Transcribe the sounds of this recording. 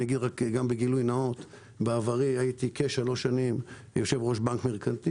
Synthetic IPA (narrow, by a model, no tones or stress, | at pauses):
naɡid̪ʁakɡambeɡilujnao̞t̪ | beavaʁiajit̪ikeʃalo̞ʃanim | jo̞ʃe̞vʁo̞ʃbankmeʁkant̪i